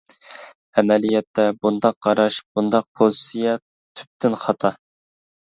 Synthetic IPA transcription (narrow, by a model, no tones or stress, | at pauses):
ɛmɛlijɛt̪ʰːɛbund̪ɑqːɑɾɑʃb̥und̪ɑq̚pʰolisijɛ | t̪ʰy̥p̚t̪ʰɪnχɑt̪ʰɑ